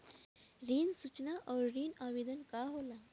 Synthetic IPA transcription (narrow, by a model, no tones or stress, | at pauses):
ɾiːnsut͡ɕnaʔɔɾɾiːnaʋed̪ənkaɦola